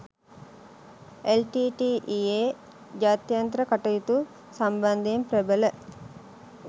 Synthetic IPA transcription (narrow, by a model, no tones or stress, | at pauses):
elʈiːʈiːʔieː | d͡ʒaːt̪jant̪ɾəkaʈəjit̪u | samband̪ejemprebələ